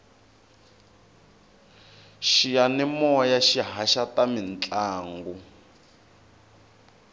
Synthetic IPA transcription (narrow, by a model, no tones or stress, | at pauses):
ʃijanɛmɔjaʃiɦaʃatamint͡ɬʼaːŋɡu